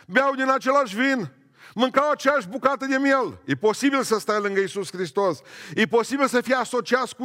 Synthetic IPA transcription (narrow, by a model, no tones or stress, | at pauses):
beawd̪inat͡ʃelaʃvin | mɨŋkawat͡ʃeaʒbukat̪ɐd̪amieliposibilsɐst̪ajlɨŋɡɐjsuskɾist̪osiposibilsɐfiasot͡ʃiasku